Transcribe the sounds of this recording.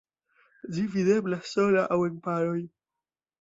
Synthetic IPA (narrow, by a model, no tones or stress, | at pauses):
d͡ʒivideblasːolaʔawenpaɾoj